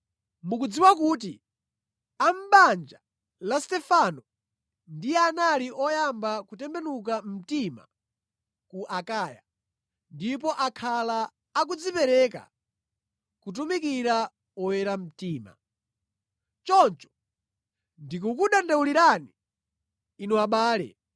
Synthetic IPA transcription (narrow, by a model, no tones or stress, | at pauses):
mukud͡ziwak̬uːt̬i | am̩ɓand͡ʒa | lastɛfanɔ | ndijɛanaliʔɔjambakutɛmbɛnukam̩tima̰ | kuʔakaːja̰ | ndipɔʔakʰalaː | k̬ud͡zipɛɾɛka̰ | kut̬umikiɾa | ɔwɛɾam̩tiːma̰ | t͡ʃɔnt͡ʃɔ̥ | ndik̬ukuɗandawuliɾaniː | nuaɓaːlɛ̰